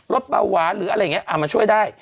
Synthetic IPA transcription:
lo˦˥t̪̚ɓa̰ː˧wwaː˨˩˦ɾɯː˩˦ʔa˧ɾa˧jŋi˦˥˧ʔaː˨˩ma˧nt͡ɕʰu˥˩əjdaː˥˩j

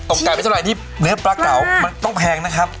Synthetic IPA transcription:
t̪o˨˩ŋkːa˧npe˧t̪ʰːa˨˩jt̪ʰi˥˩ | nɯ˦˥ɐ˩pɾa˦˥kːa˨˩˦wma˧nt̪ɔ˥˩ŋpʰɛː˧ŋna˦˥kʰɾa˦˥p̚

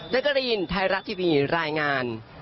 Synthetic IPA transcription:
t̪a˦˥ka˧ɾiː˧nt̪ʰaː˧˥jɾa˦˥t̪ʰːiː˧˩miː˧ɾaː˧jŋaː˧n

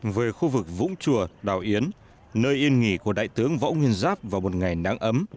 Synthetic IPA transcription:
vəː˨˦jxu˧vɨ˨˩k̚vʊ̰˧˥ŋ͡mt͡ɕu˨˩əɗaː˨˩wʔi˨˦ən | nəː˧jʔi˧ənŋi˧˩ku˧˩əɗa̰ː˧˨jt̪ɨ˨˦əŋvɔ̰ː˧˥wŋwi˧ənzaː˦˥p̚vaː˨˩wmo˨˩t̚ŋa˨˩jna̰ː˨˧˥ŋʔə˨˦m

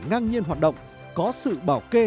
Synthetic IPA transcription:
ŋa˧ŋɲi˧ənhɦaː˨˩t̚ɗə̰˧˨wŋ͡m | kɔ˨˦sɨ̰˧˨ɓaː˧˩wke˧

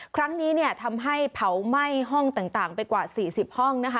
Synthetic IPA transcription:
kʰɾa˦˥ŋniː˦˥ni˥˩ɐt̪ʰa˧mɦa˥˩jpʰa˩˦wma˥˩jɦɔ˥˩ŋt̪aː˨˩ŋt̪aː˨˩ŋpa˧jkwaː˨˩siː˨˩si˨˩p̚hɔ˥˩ŋna˦˥kʰa˦˥

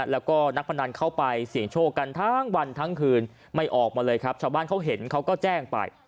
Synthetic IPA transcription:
lɛː˦˥wkɔː˥˩na˦˥k̚pʰa˧ndaː˧nkʰa˦˥˩wpa˧jsi˨˩˦əŋt͡ɕʰoː˥˩ka˧nt̪ʰa˦˥ŋwa˧nt̪ʰa˦˥ŋkʰɯː˧n | ma˥˩jʔɔː˨˩k̚maː˧lɤː˧jkʰɾa˦˥p̚t͡ɕʰaː˧wbaː˥˩nkʰa˦˥wɦe˩˦nkʰa˦˥wkɔː˥˩t͡ɕɛː˥˩ŋpa̰˧j

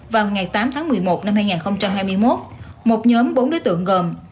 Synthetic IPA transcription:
vaː˨˩wŋa˨˩jt̪aː˨˦mt̪ʰaː˨˦ŋmɨ˨˩əjmo˨˩t̚na˧mhaː˧jŋaː˨˩nxə˧wŋ͡mt͡ɕa˧mɦaː˧jmɨ˧əjmo˦˥t̚mo˨˩t̚ɲɔː˨˦mɓo˨˦nɗo˨˦jt̪ɨ̰˧˨əŋɣəː˨˩m

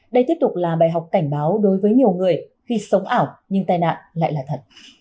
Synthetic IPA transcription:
ɗə˧jt̪i˦˥əp̚t̪ʊ˨˩k͡p̚laː˨˩ɓaː˨˩jɦa˨˩wk͡p̚ka˧˩jŋ̟ɓaː˨˦wɗo˨˦jvəː˨˦jɲi˨˩əwŋɨ˨˩əjxi˧sə˨˦wŋ͡mʔaː˧˩wɲɨ˧ŋt̪aː˧jna̰ː˧˨nla̰ː˧˨jlaː˨˩t̪ʰə˨˩t̚

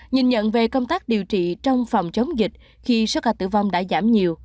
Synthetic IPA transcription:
ɲi˨˩nɲə̰˧˨nve˨˩kə˧wŋ͡mt̪aː˦˥k̚ɗi˨˩wt͡ɕḭ˧˨t͡ɕɔ˧wŋ͡mfɔ˨˩wŋ͡mt͡ɕə˨˦wŋ͡mzi˨˩k̚ | xi˧so˦˥kaː˧t̪ɨ̰˧˩va˧wŋ͡mɗa̰ː˧˥zaː˧˩mɲi˨˩əw

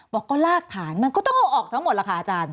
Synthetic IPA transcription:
wɔː˧˩kɔː˥˩laː˥˩kʰːaː˩˦nma˧nkɔ˥˩t̪ɔ˥˩ŋmoː˧ʔɔː˨˩k̚t̪ʰa˦ŋmo˨˩laː˧˩kʰa˧a˧t͡ɕaː˧n

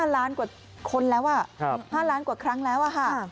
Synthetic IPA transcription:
aː˥˩laː˦˥nkaː˨˩ | kʰo˧nlɛː˦˥wʔa˧˩˧haː˥˩laː˦˥nkwaː˨˩kʰɾa˦˥ŋlɛː˦˥wʔa˨˩kʰa˥˩

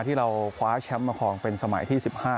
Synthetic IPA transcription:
t̪ʰiː˥˩ɾa˧wkʰwaː˦˥t͡ɕʰɛ˦˥mːa˧kʰɔː˧ŋpe˧nsa˧ma̰˨˩˦jt̪ʰiː˥˩si˨˩p̚haː˥˩

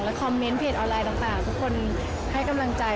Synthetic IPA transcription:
ŋlɛ˦˥kʰɔ˧mːe˦˥npʰeː˧˩t̪ʔɔː˧nlaː˧jd̪aː˨˩ŋt̪aː˨˩ŋt̪ʰu˦˥kʰːo˧n | ha˥˩jka˧mla˧ŋt͡ɕa˧

